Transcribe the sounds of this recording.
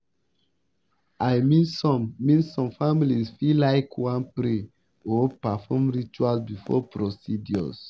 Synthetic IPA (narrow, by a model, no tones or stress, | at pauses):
ʔajmĩnsɔ̃mːĩnsɔ̃mfamilizfilaɪkʰwãnpɾe | ɔpafɔmɹit͡ʃualsbifɔ̰pɾɔsidjɔ̰s